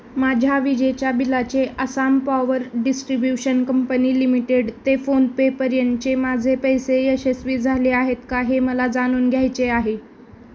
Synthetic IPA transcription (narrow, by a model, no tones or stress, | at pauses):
mad͡ʑʱjaʋid͡ʑet͡ɕjabilat͡ɕeʔəsampaʋəɾɖisʈɾibjuɕənkəmpəniːlimiʈeɽt̪efonpepəɾjənt̪t͡ɕemad͡zʱepəjseesesʋiːd͡zʱaleaɦet̪kaɦeməlad͡zaɽ̃uːnɡʱjajt͡ɕeaɦe